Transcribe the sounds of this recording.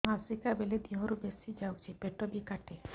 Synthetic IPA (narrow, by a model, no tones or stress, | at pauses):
masɾikabeled̪iɦɔɾubesid͡ʒawt͡ʃʰipeʈɔbikaʈe